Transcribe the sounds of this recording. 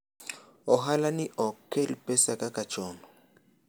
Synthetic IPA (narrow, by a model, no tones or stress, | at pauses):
ɔɦalaniʔɔkʰːɛlpʼɛsakʼakat͡ʃʼɔːnɔ